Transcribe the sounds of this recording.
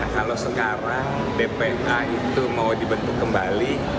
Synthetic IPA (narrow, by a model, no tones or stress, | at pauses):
kalowsəkaɾaŋ | depeɛnʔait̪umawdibənt̪ʊkːəmbali